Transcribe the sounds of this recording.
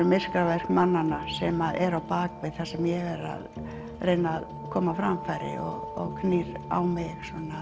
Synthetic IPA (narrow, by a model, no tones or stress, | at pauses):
ʏmɪskɾavɛr̥kmanːanːasɛmaðɛɾawpaːkvɪðθḁsɛmjɛɣɛɾa̰ð | rejnað | kʰɔːmafɾamfaɾɪ̰ɔ̰ɣɔɣkʰniɾa̰wmɪɣsɔnːa